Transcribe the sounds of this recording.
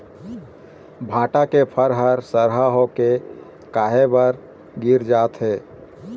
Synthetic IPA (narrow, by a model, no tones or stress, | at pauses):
bʱãːʈakepʰəɾɦəɾsəɾɦaɦoke | kaːɦebəɾ | ɡiɾd͡ʒaːt̪ɦeː